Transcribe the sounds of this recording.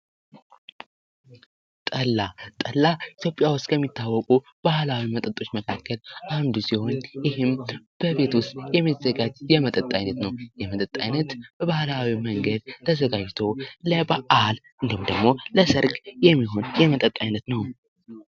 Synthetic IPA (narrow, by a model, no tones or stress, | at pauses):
t̪ʼəlːat̪ʼəlːaɪt̪ʰjo̞pʼejawʊst̪ʼkʰəmːit̪ʰːawːɔkʼu | b̥ahlawimət̪ʼət̪ʼo̞t͡ʃːməkʰakʰːəlʔand̪usiho̞njɪhɨmb̥əβe̞t̪wʊst̪jɛmːizəɡad͡ʒjɛmət̪ʼət̪ʼajnət̪nəwjɛmət̪ʼət̪ʼːa̰jnət̪b̥əβahlawiməŋɡəd̪̚t̪ʰːəzəɡad͡ʒt̪ʰo̞ləbaʔalʔɨnd̪əhumd̪əɡmo̞ləsɨɾkʼjɛmːiɦo̞njɛmət̪ʼət̪ʼːajnət̪nəw